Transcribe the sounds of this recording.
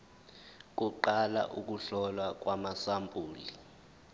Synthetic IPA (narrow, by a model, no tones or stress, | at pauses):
k̬ʼuǃala̰ʔuk̬ʼuɬɔlwak̬ʼwamasampʼuːli